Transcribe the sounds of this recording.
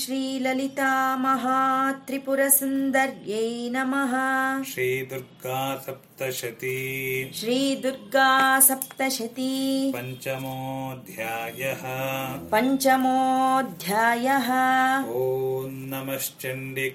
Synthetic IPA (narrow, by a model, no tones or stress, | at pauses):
ʃɾiːlɐlit̪aːmɐɦat̪ɾipuɾɐsund̪ɐɾjejnɐmɐɦɐ̆ʃɾiːd̪uɾɡaːsɐp̚t̪ɐʃɐt̪iʃɾiːd̪uɾɡaːsɐp̚t̪ɐʃɐt̪ipɐɲt͡ʃɐmoːd̪ʱjaːjɐɦɐpɐɲt͡ʃɐmoːd̪ʱjaːjɐɦɐ̆oːnnɐmɐʃt͡ʃɐɳɖi